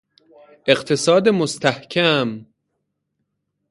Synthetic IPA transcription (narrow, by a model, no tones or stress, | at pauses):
e̞ɢt̪ʰe̞sɒːd̪emost̪ʰæhkʰæm